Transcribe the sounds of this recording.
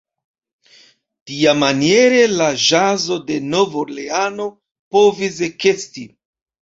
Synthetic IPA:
tiamanije̞ɾe̞laʒazo̞de̞no̞voleano̞ | po̞vis̬ekesti

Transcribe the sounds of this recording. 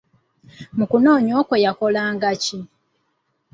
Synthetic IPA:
mukunoːɲoːkwejakolaːŋɡaci

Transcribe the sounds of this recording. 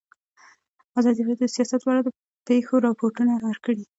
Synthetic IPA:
azɑd̪iɾɑjod̪əsijɑsat̪wɑɾad̪ə | pexoɾɑpoɾʈunaɾɑɾkəɽi

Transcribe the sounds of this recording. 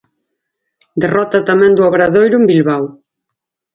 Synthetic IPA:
d̪erɔt̪ɐt̪amɛ̃nd̪uɔβɾaðojɾumbilβaw

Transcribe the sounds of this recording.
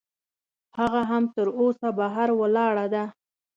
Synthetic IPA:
haɣaɦamt̪əɾosabaɦaɾwəlɑɽad̪a

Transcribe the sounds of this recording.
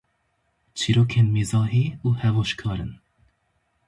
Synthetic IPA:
t͡ʃʰiːɾoːkʰeːnmeːzɑːɦeːuːhɛvoːʃkʰɑːɾɨ̰n

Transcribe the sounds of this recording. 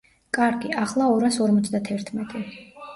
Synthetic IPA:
kʼaɾɡiʔaχlˠaɔɾasɔɾmɔt̪sʰd̪at̪ʰɛɾt̪ʰmɛt̪ʼi

